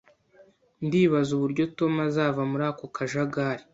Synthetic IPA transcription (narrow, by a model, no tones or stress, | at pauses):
ndiːβazuβuɾɟo̞to̞mazaːvamuɾaːko̞kʰaʒaɡaːɾi